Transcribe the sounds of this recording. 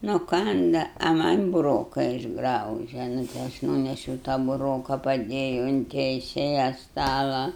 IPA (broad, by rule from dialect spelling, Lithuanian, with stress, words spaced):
nʊˈkɐndɐ ɐ mɐnʲ bʊˈroːkɐ ɪʒˈɡrɐʊʒʲɛ nʊ tɐɪ ˈɐʃ ˈnuːnʲɛʃʲɛʊ tɐ bʊˈroːkɐ pɐˈdʲeːjʊ ʊn tʲɛɪˈsʲeːjɛ ˈstɑːlˠɐ